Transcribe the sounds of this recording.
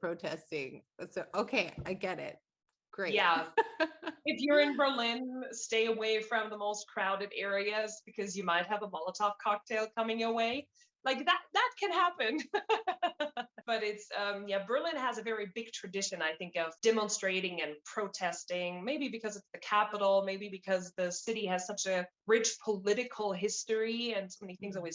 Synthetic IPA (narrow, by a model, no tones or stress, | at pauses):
ɹ̥oʊtʰɛstɪ̰̃ŋsoʊʔoʊkʰeɪa̰ɪɡɛɾɪ̰t̚ | ɡ̥ɹeɪjæ | ɨfjə˞ɨ̃nbə˞lɪ̃nsteɪəweɪfɹʌ̃mðəmoʊskʰɹ̥aʊɾɨɾɛɹiɨzbɨkʰʌzjɨmaɪt̚hɨvəmɑlˠətʰɑf̚kʰɑk̚tʰeɪlˠkʰʌmɪ̃ŋəweɪ | laɪk̚ðət̪̚ðət̚kʰɨ̃nhæpɨ̃n | b̥ʌɾɪtsʌ̃mjæbə˞lɪ̃nəzɨvɛɹibɪɡ̚tʰɹ̥ɨdɪʃɨ̃naɪθɪ̃ŋkʌv̥d̥ɛmə̃nstɹ̥eɪɾɪ̃ŋɨ̃npʰɹ̥oʊtʰɛstɪ̃ŋmeɪbibɨkʰʌzɨtsðɨkʰæpəɾl̩ˠmeɪbibɨkʰʌzðɨsɪɾiɨz̥sʌt͡ʃɨ | ɹɪt͡ʃpʰəlɪɾɨkʰl̩ˠɦɪstə˞iɨ̃nsoʊmɛniθɪ̃ŋzɔlˠwiz̥